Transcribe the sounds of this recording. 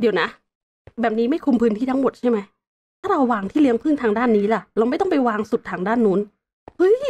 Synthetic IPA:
di˧wna˦˥ | tbɛː˨˩p̚niː˦˥ma˥˩jkʰu˧mpʰɯː˦˥nt̪ʰiː˥˩t̪a˦˥mo˨˩t̪̚t͡ɕʰa˥˩jma˦˥j | t̪ʰaː˥˩ɾa˧wːaː˧ŋt̪ʰiː˥˩li˦˥əŋpʰɯ˥˩ŋt̪ʰaː˧ŋdaː˥˩˨nːiː˦˥la˨˩ʔɾa˧wma˥˩jt̪ɔ˥˩pa˧jwaː˧ŋsu˨˩t̪ʰːaː˧ŋdaː˥˩˨nːuː˦˥n | hɯ˦˥˩j

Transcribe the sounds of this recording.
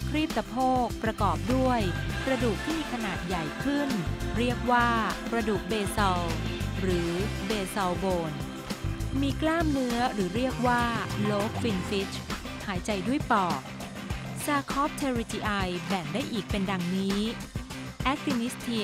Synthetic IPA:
kʰɾiː˥˩p̚t̪a˧pʰoː˥˩k̚pɾa˧kɔː˨˩p̚du˥˩əjpɾa˧duː˨˩k̚t̪ʰiː˥˩miː˧kʰa˧naː˨˩t̪̚ja˨˩jkʰɯ˥˩nɾi˥˩ək̚waː˥˩pɾa˧duː˨˩k̚beː˧sa˧wɾɯː˩˦beː˧sa˧wboː˧n | miː˧klaː˥˩mnɯ˦˥ɐɾɯː˩˦ɾi˥˩ək̚waː˥˩loː˦˥kʰwi˧nfi˦˥t͡ɕʰ | haː˩˦jt͡ɕa˧jdu˥˩əjpɔː˨˩k̚ | saː˧kʰɔ˦˥p̚t͡ɕʰe˧ɾi˧t͡ɕ̪iː˧ʔa˧jbɛ˨˩ndaː˥˩jʔiː˨˩k̚pe˧nda˧ŋniː˦˥ | ʔɛ˦˥k̚si˧mi˦˥t̪ʰi˧

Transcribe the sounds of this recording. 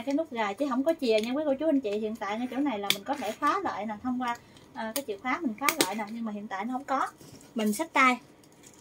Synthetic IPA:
kaː˨˦jnlʊ˦˥k͡p̚ɣaː˨˩jt͡ɕi˧˦ɦə˧˩wŋ͡mkɔ˨˦t͡ɕi˨˩əɲa˧wi˨˦ko˧˩˦t͡ɕu˨˦ʔa˧ŋt͡ɕḭ˧˨hḭ˧˨ənt̪a̰ː˧˨jŋaː˧jt͡ɕo̰˧˩na˨˩jlaː˨˩mï˨˩ŋ̟kɔ˨˦t̪ʰe˧˩xwaː˨˦lə̰ː˧˨jna˨˩wt̪ʰə˧wŋ͡mkwaː˧ | ʔəː˨˩kaː˨˦jt͡ɕḭ˧˨əwxaː˨˦mï˨˩ŋ̟xwaː˨˦lə̰ː˧˨jnaː˨˩wɲɨ˧ŋmaː˨˩ɦḭ˧˨ənt̪a̰ː˧˨jnɔ˨˦hŋ͡mkɔ˨˦mï˨˩ŋ̟sa˦˥k̚t̪aː˧j

